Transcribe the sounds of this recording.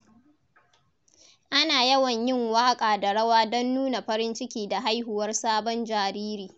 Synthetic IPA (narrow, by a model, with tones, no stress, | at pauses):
ʔa˦naː˨jɐ˦wɐ˨ɲjɪ˦˨ŋwaː˦kʼaː˨da˨ɽɐ˦waː˦dɔ˦nːuː˦na˨ɸɐ˦ɾɪ˦nt͡ʃɪ˦kʲiː˦da˨ɦa˦jɦʊ˨wɐ˦rsaː˦bɔ˦nd͡ʒaː˨ɾiː˦ɾiː˨